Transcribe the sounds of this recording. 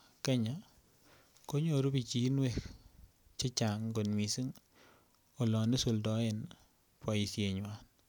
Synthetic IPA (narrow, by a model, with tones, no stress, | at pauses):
ke˦ɲa˨ | ko˦ɲo˦˨ɾu˦bi˨t͡ʃi˨˦nwe˨k | t͡ʃe˦t͡ʃa˨ŋɡo˨nmi˨si˦ŋ | o˨lɔ˨ne˦so˨ldɔ˨˦e˨n | pɔ˨i˨sje˨ɲwa˦n